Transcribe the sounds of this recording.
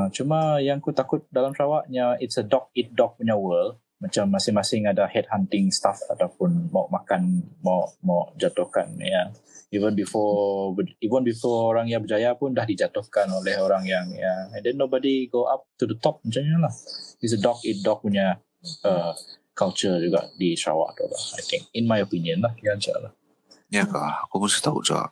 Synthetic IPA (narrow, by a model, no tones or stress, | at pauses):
t͡ʃumajaŋakut̪akʊt̪̚dalamʃawaʔ̚ɲaitsədɔk̚it̪̚dɔk̚puɲawəl | mat͡ʃamːasɪŋmasɪŋadahɛd̚hant̪ɪŋst̪afa̰t̪awpʊnmaʊʔmakanmaɔʔmaɔʔd͡ʒat̪ʊhka̰nja | ivənbifɔbəivənbifɔoɾaŋjaŋbəd͡ʒajapʊndahdid͡ʒat̪ʊhkanolɛhoɾaŋjaŋjaɛ̃ndɛnːobɔdiɡoʔap̚t̪udət̪ɔp̚mat͡ʃaɲalahis̬ədɔkit̚dɔk̚puɲa | əkalt͡ʃəd͡ʒuɡa̰ʔdiʃɾa̰wa̰ʔt̪ṵla̰hajt̪ɪ̃ŋk̚inmajopiniə̃nlahjamt͡ʃa̰lah | jaka̰hkɔmusɪ̥ht̪aṵʔd͡ʒɡa̰ʔ